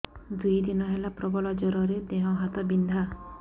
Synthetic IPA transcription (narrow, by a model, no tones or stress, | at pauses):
d̪ujd̪inɔɦelapɾɔbɔlɔd͡ʒɔɾɔɾed̪eɦɔ̃ɦat̪ɔbind̪ʱa